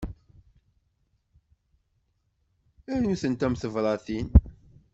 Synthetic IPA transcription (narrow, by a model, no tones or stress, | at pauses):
æɾnuθənt̪æmθəvɾˤɑθin